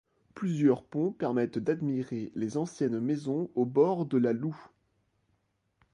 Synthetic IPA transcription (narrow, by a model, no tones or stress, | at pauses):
plyzjœʁpɔ̃pɛʁmɛt̪d̪ad̪miʁelezɑ̃sjɛnmezɔ̃obɔʁd̪əlalu